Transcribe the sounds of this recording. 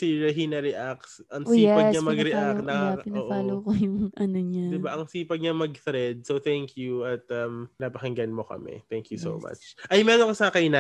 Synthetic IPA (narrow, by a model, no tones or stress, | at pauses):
siɹɛɦinɐɾɛʔaksʔɐŋoijɛpɐɲɐmɐɡɾɛʔaknɐaaɪnːpaːlokojʊŋʔɐnoɲad̪ɪbaʔɐŋsiːpɐɡ̚ɲɐmɐɡ̚θɾɛd̪̚sowθɛŋkʰjuɐt̪̚ɐmnɐpɐhɪŋɡɐnmo̞kɐ̰mɛ̰t̪ɛŋkjuso̰wma̰t͡ʃʔɐjmɛɾoŋkɐsakɐjna